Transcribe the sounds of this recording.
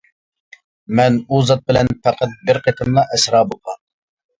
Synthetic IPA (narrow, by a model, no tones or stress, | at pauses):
mɛnuzɑt̪̚bɪlɛnpʰæqʰæt̪̚bɪɾqʰet̪ʰɪnlˠɑʔɛsɾɑːboqʰɑ